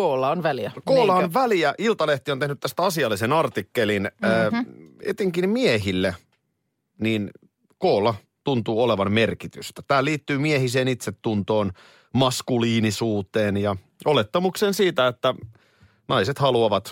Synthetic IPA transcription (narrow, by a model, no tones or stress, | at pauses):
oːlɑonʋæliækoːlːɑonʋæliæʔilt̪ɑleht̪iont̪enyt̪t̪æst̪æɑsiɑlːisenɑrt̪ikːelinː | ḛt̪eŋkinmieɦilːe | niːn | koːlːɑ | t̪unt̪uːoleʋɑnme̞rkit̪yst̪æt̪æːliːt̪ːyːmiehis̬eːnit̪set̪ːunt̪o̞ːn | mɑskuliːnisuːt̪eːnjɑ | olet̪ːɑmuksensiːt̪æet̪ːæ | nɑiset̪hɑluɑʋɑt̪